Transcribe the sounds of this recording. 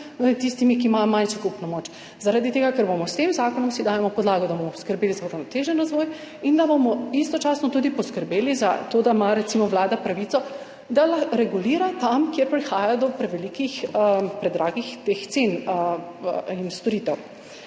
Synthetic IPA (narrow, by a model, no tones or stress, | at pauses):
t̪ist̪imikiːmajɔmanʃɛkupnɔmoːt͡ʃ | zaɾad̪it̪eːɡakɛɾbomɔst̪emzaːkɔnɔmsid̪aːjɛmɔpɔd̪laːɡɔd̪abomɔpɔskəɾbeːlizawɾawnɔt̪eʒɛnɾazʋoːj | ind̪abomɔist̪ɔt͡ʃasnɔt̪ud̪ipɔskəɾbeːliza̰t̪od̪amaɾɛt̪simɔʋlaːd̪apɾaʋit̪ɔ | d̪alaɾɛɡuliːɾat̪amkjeɾpɾixaːjad̪ɔpɾɛʋɛlikixpɾɛd̪ɾʔaːɡixt̪ext̪sen | inst̪ɔɾiːt̪ɛw